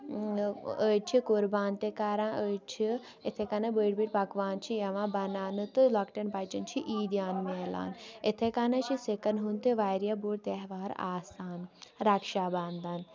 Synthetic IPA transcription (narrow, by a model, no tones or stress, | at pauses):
əːt͡ʃʰikuɾbaːnt̪ekaːɾãːʔət͡ʃʰi | et̪ʰekɐnɐbəɽbiʈpɐkʋaːnt͡ʃʰijɐʋãːbɐnaːnɨt̪ɨlɐkʈɐnpaːt͡ʃɐnt͡ʃʰiʔiːd̪jaːnmeːla̰ːnet̪ʰekanɐt͡ʃʰisekɐnɦunt̪eʋaːjɾjabuːɽt̪eɦʋaːɾa̰ːsaːnɾakʃaːband̪aːn